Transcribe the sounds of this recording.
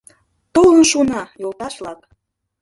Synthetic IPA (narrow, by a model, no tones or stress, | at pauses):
t̪olənʃunɑjolˠt̪ɑʃlɑk